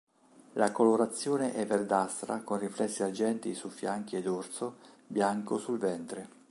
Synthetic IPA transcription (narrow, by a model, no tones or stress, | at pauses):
lakoloɾat̪sːjɔːneʔɛverd̪ast̪ɾa̰konriflɛsːiad͡ʒɛnt̪isufːjaŋk̟ied̪ort̪so | bjaŋkosulvɛnt̪ɾe